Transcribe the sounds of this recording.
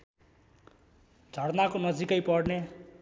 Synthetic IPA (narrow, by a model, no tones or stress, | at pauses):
d͡zʱʌɽnakonʌd͡zikʌjpʌɽne